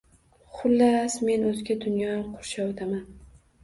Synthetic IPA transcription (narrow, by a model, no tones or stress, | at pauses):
χʊlːasme̞nɵzɪɡʲad̪ʊnjɒamqʰoɾʃawd̪ʰaman